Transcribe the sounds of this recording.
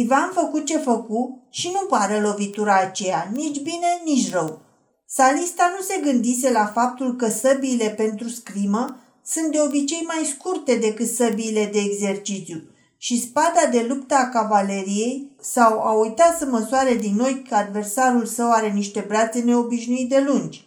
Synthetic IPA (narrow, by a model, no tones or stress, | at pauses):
ivanfəkut̪̚t͡ʃe̞fəkuʃinupaɾelo̞vit̪uɾaːt͡ʃe̞janit͡ʃʲbine̞nit͡ʃʲrəw | salist̪anuse̞ɡɨnd̪is̬e̞lafap̚t̪ulkəsəbiːle̞pe̞nt̪ɾuskɾimə | sunt̪̚d̪e̞o̞bit͡ʃe̞jmajskurt̪e̞d̪e̞kɨt̪səbiːle̞d̪e̞ːɡze̞rt͡ʃit̪sju | ʃispad̪ad̪e̞lupt̪əakavale̞ɾije̞jsawaujt̪at̪səməsuaɾe̞d̪inːo̞jkəad̪ve̞rsaɾulsəwaɾe̞niʃt̪e̞bɾat̪se̞ne̞o̞biʃnuit̪̚d̪e̞lund͡ʒʲ